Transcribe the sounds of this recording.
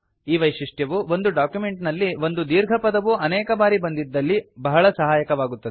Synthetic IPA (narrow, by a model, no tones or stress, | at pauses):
iːʋɐjʃiʂʈjɐʋuʋo̞nd̪uɖaːkjume̞ɳʈnɐlːiʋo̞nd̪ud̪iːɾɡʱɐpɐd̪ɐʋuɐnɛːkɐbaːɾibɐnd̪id̪ːɐlːibɐɦɐɭɐsɐɦaːjɐkɐʋaːɡut̪ːɐd̪e